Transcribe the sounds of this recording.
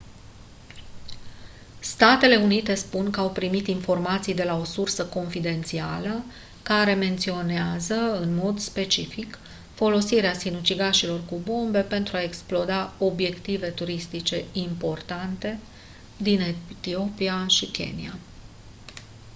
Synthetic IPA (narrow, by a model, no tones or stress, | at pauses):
st̪at̪e̞le̞unit̪e̞spuŋkəawpɾimit̪info̞rmat̪sijd̪e̞lao̞sursəko̞nfid̪e̞nt̪sialə | kaɾe̞me̞nt̪sio̞neazəɨnmo̞d̪spe̞t͡ʃifik | fo̞lo̞siɾeasinut͡ʃiɡaʃilo̞rkubo̞mbe̞pe̞nt̪ɾuae̞ksplo̞d̪ao̞bje̞kt̪ive̞t̪uɾist̪it͡ʃe̞impo̞rt̪ant̪e̞ | d̪inet̪io̞piaʃikʲe̞̰nḭa